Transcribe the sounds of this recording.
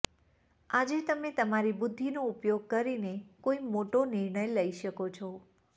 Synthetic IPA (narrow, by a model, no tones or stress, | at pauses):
ad͡ʒet̪əmet̪əmaɾibʊd̪ʱːinoupjoɡ̚kəɾinekoimoʈonɪɾɳəjləiʃəkot͡ʃʰɔ